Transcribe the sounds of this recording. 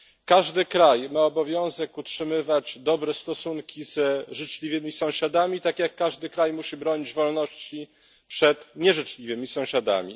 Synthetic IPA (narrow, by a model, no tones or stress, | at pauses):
kaʐd̪ɘkɾajmaɔbɔvʲjɔ̃w̃zɛkutʂɘmɘvad͡ʑd̪ɔbɾɛst̪ɔsuŋkʲizʐɘt͡ʂlʲivɘmʲisɔ̃w̃ɕad̪amʲit̪akʲjakːaʐd̪ɘkɾajmuɕibɾɔɲid͡ʑvɔlnɔɕt͡ɕi | pʂɛt̪ɲɛʐɘt͡ʂlʲivɘmʲisɔ̃w̃ɕad̪a̰mʲḭ